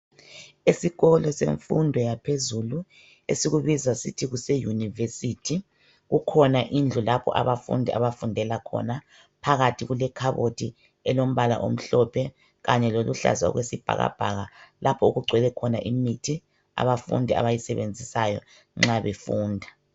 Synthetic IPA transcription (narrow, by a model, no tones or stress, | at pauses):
esiɣɔlɔsḛɱfundʱɔjapʰezulu | ḛsiɣuβizasitʰiɣusejunivesitʰi | ɣukʰɔnaʔind͡ɮʱulapʰɔ̰ʔa̰βafṵndʱiʔa̰βafundʱɛlakʰɔ̰na | pʰaɣatʰiɣulɛkʰaβotʰi | ɛlom̩βala̰ʔo̰m̩ɬɔpʰɛ | ɣaɲɛloluɬa̰zaɔ̰ɣwesib̥ʱa̰ɣa̰b̥ʱaɣalapʰɔuɣuɡ͡ǀʱwɛlɛkʰɔnaʔimitʰi | a̰βafṵndʱia̰βajisɛβend͡zʱisajɔ̰ | ŋ͡ǁaβefuːndʱa